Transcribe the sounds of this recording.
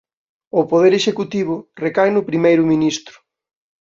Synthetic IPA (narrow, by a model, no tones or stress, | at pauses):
ʊpoðeɾeʃekut̪iβ̞ʊrekajnʊpɾimejɾʊminist̪ɾʊ̥